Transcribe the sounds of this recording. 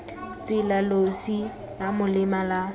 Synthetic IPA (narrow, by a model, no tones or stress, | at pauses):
t͡sɪlalosi | lamʊlɪmala